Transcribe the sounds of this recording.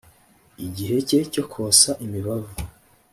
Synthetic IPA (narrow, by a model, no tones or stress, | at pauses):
iɟiɦe̞ceco̞kʰosaʔimiβavu